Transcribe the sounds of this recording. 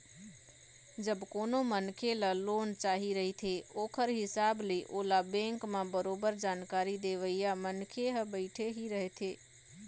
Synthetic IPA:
d͡ʒəbkonomənkʰelalont͡ʃaɦiɾəɦit̪ʰeokʰəɾɦɪsableʔolabɛ̃ŋkmabəɾobəɾd͡ʒankaɾid̪eʋəjjamənkʰeɦəbəɪʈʰeɦiɾəɦɛt̪ʰe

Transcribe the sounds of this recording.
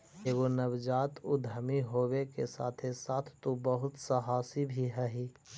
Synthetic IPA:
eɡonəwd͡ʒaːt̪ʊd̪ʱəmiɦowekesa̰ːt̪ʰesaːt̪ʰːobəɦʊt̪səɦaːsibʱiɦɛɦi

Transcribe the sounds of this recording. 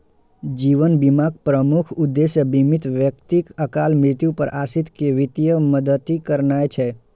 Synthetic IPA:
d͡ʒiʋənbimaɡ̚pɾəmukʰud̪ːeʃjəbimit̪ʋjəkt̪ikəkalmɾɪt̪jũpəɾʔasit̪keʋit̪ijəməd̪ət̪ikəɾnajt͡ʃʰe

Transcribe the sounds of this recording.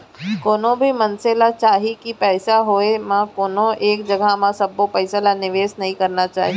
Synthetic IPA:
koːnõbʱimɐnselat͡ʃaːɦikipɛːsaɦoːemãkoːnõʔeːkd͡ʒɐɡʱamãsɐbːopɛɪsalanɪʋeːsnɐɦĩkɐɾnat͡ʃa̰ːɦi

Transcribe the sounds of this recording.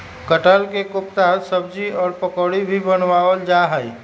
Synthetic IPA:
kəʈəlkekʊpt̪aɦətsəbd͡ʒiɔːɾpəkoːɽibʱibənwaːwəld͡ʒaɦəi

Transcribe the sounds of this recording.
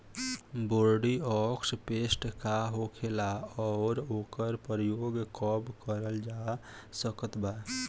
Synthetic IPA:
boɾɖiɔkspesʈkaɦokʰelaɔːɾokəɾpɾəjoɡkɔbkəɾəld͡ʒasəkət̪ba

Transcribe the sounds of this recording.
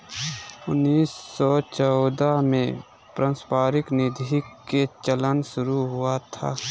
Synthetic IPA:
ʊnːiːsːɔt͡ʃɔʊd̪amẽ | pɾãːspaːɾɪknɪd̪ʱiket͡ʃələnʃʊɾuɦʊat̪ʰa̰ː

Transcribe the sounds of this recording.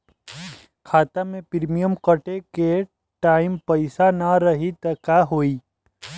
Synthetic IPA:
kʰaːt̪amẽpɪɾmijəmkəʈeke | ʈaːɪmpɐɪsanaɾɐɦit̪ɐkaɦoːiː

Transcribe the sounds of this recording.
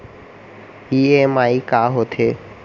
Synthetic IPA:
iːeːmaːiːkaːɦoːt̪ʰeː

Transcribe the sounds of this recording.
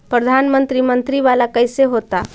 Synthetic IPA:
pɾəd̪ʱanmənt̪ɾimənt̪ɾiʋalakəjseɦot̪a

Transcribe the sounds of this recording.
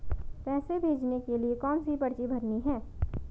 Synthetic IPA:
pɛːsebʱeːd͡ʒnekeliekɔːnsipɐɽt͡ʃibʱɐɾniɦɛ̃ː

